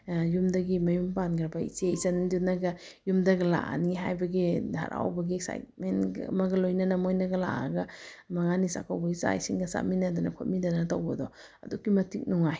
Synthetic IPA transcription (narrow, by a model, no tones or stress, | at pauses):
jumdɐɡimɐjumpanɡɾɐbaḭseisandunaɡɐ | jumdɐɡɐla̰a̰niɦa̰jbɐɡidʱa̰ɾʔa̰wbɐɡiksa̰jt̚menɐ̰mɐɡɐlojnɐnɐmojnaɡɐla̰aɡamɐŋanisa̰kʰawbɐisa̰jsiŋɡɐsa̰minadanɐ̰kʰot̚midanatawbɐdɔ | ɐ̰dukːimɐtik̚nɔŋaj